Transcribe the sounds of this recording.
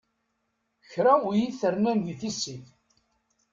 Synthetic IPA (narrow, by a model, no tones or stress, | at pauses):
çɾajiθəɾnænðiθisːiθ